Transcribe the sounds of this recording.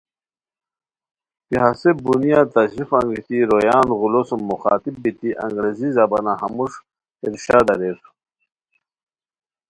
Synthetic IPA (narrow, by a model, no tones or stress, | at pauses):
piɦasebunijat̪ɐɕɾifɐŋɡit̪iɾojaːnɣulosumːuxa̰ːt̪ib̚ːit̪iʔɐ̰ŋɡɾezizɐbɐnahɐmuʂ | iɾɕaːd̪ɐɾeɾ